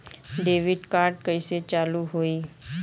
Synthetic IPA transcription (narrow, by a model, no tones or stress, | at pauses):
ɖeːʋɪɖkaːɾɖ̚kəiset͡ʃaːluɦoːiː